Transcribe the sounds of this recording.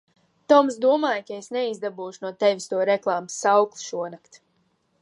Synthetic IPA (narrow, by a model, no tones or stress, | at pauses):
t̪ɔms̬d̪uɔmaːjkaesnɛizd̪abuːʃunuɔt̪ɛvʲist̪uɔɾɛklˠaːmsːawklˠi̥ʃuɔnakt̪